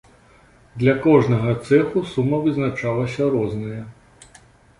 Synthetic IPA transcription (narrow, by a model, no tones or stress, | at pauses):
d̪lʲɐkɔʐnɐɣɐt̪sɛxusumːɐvɨznat͡ʂalˠɐsʲɐɾɔznɨjɐ